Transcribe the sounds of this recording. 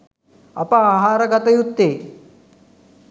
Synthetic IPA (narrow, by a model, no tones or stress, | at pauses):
ɐ̰paːɦaːɾɐɡat̪ɐjut̪ːe